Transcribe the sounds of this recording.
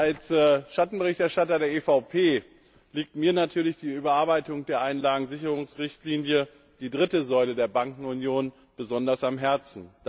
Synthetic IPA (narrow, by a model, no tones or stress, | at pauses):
ʔalsɛʃatn̩bəʁɪçtɛɐʃtatɐdeːɐʔefaʊpʰeː | liːk̚tmiːɐnatʰyːɐlɪçd̥iːyːbɐaːɐbaɪtʊŋd̥eːɐʔaɪnlaːɡŋ̩zɪçəʁʊŋsʁɪçtliːnjə | d̥iːdʁɪtəzɔʏlədeːɐbaŋkŋ̩ʊnjoːn | b̥əzɔndɐsamɦɛɐt͡sn̩̥